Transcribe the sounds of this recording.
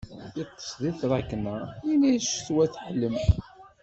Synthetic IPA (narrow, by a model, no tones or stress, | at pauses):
jət̪ˤːə̥sˤðiθɾˤækːnəiniʃθwæθħəlːəm